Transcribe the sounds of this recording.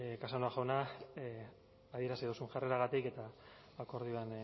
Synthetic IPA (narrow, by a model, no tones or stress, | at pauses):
kasonoaʝawna | aðieɾasiðusunʝareɾaɣat̪ike̞t̪aː | ko̞ɾð̞ioan